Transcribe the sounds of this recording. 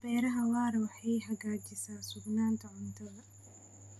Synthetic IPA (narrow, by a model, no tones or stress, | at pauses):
b̥ɛːɾɐɦɐwaːɾɐwʊħɑjɦɐɡaːt͡ʃɪsaːsʊɡnaːnt̪ʰɐʕʊnt̪ʰʊdɐ